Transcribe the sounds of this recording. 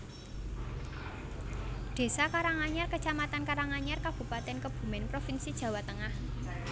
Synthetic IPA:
d̪̥e̤sakaɾaŋaɲarkət͡ʃamat̪ankaɾaŋaɲarkab̥ṳpat̪ɛnkəb̥ṳmɛnpɾofinsid̥ʒ̥ä̤wat̪əŋah

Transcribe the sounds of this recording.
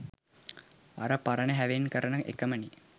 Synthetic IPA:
a̰ɾəpaɾənəɦæʋenkəɾənəʔḛkəməni

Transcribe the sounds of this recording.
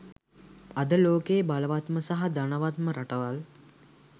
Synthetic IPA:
ad̪əloːkejːbaləʋat̪məsaɦad̪anəʋat̪məɾaʈəʋal

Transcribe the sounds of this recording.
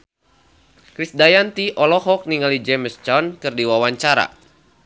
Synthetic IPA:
kɾisdajant̪iʔɔlɔɦɔk̚niŋalid͡ʒɛmst͡ʃɔnkɨrdiwawaɲt͡ʃaɾa̰

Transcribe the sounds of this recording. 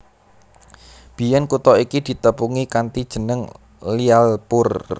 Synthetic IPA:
b̥i̤jɛnkut̪ɔikid̪̥i̤t̪əpuŋikant̪id̥ʒ̥ə̤nəŋ | lialpʊr

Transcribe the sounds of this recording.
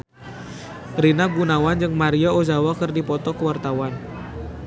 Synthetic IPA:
rinaɡunawand͡ʒɨŋmaɾiaozawakɨrdipɔt̪ɔkəwart̪awan

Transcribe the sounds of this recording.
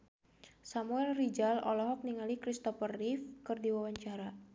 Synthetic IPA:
samuɛlrid͡ʒalɔ̰lɔɦɔk̚niŋalikɾist̪ɔfərːifkɨrdiwawaɲt͡ʃaɾa

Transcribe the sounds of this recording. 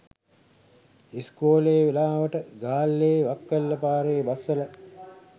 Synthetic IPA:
iskoːleːʋelaːʋəʈəɡaːlːeːʋakːəlːəpaːɾeːbasːələ

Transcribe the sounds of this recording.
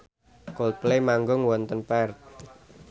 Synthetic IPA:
kɔlt̪̚plemaŋɡɔŋwɔnt̪ənpɛrt̪̚

